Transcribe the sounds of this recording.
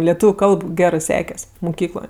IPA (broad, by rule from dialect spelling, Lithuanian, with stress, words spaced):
lʲɛˈtuːʋʲʊ ˈkɐlˠp ˈɡʲæːrɜ ˈsʲæːkʲɛsʲ mʊˈkʲiːklˠoːj